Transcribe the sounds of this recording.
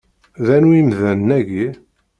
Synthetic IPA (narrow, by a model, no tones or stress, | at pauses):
ðænuimðænnæʝi